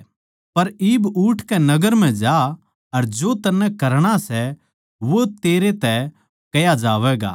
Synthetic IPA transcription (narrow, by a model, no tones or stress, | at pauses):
pɐɾiːbuʈʰkɛnɐɡəɾm̤ɛ̃d͡ʒa | ɐɾd͡ʒoːt̪ɐnːɛ̃kɐɾɽ̃asɛ | ʋot̪eːɾet̪ɛ | kɐjad͡ʒaːʋɛɡa̰